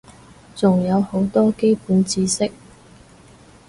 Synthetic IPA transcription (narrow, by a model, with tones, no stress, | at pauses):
t͡sʊ˨˩ŋjɐ˨˧who˨˥wt̪ɔː˥ke˥jpuː˨˥nt͡siː˧sɪ˥k̚